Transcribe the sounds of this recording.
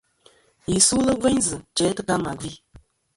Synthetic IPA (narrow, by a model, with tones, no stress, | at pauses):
i˨su˦lɨ˦vɛ˦ɲzɨ˨t͡ʃɛː˨˦tɨ˦ka˦ma˨ɡi˦